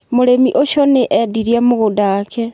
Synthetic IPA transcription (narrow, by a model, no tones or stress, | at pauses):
moɾemiʔoʃɔneʔɛdiɾiamoɣodaːkʰɛ